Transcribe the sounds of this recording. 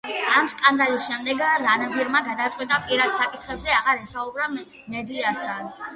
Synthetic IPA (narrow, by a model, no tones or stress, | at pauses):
amskʼand̪alisʃɛmd̪ɛɡɾanɔɡwiɾmaɡad̪at̪sʼwit̪ʼapʼiɾad̪sakʼit̪ʰχɛbzɛaʁaɾɛsaubɾa | mɛd̪iast̪ʰad̪